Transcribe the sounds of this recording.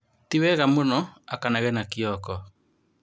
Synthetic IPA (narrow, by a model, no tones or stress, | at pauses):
tiwɛɣamonɔakanaɣɛnakiɔkɔ